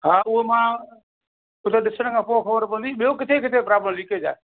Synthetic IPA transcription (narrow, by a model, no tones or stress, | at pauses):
ɦaːʔʊɦemã | ʊt̪eɗɪsəɽ̃kʰãːpoːxəʋəɾpɐ̃nd̪iɓijokɪt̪ʰekɪt̪ʰepɾaːblə̃mliked͡ʑa̰ːe